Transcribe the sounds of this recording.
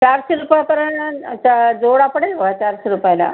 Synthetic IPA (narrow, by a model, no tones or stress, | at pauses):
t͡ɕaɾɕeɾupajpəɾəɳt͡ɕad͡zoɽapɽelbʱəɡat͡ɕaɾɕeɾupəjla̰